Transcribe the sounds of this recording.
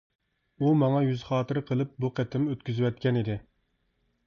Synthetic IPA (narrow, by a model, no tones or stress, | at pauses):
umɑŋɑjyzχɑːt̪ɨɾɨqʰəlˠɨp̚buqʰɛt̪ʰɪmøt̪kʲyzwɛt̪̚kʲɛnɪd̪ɪ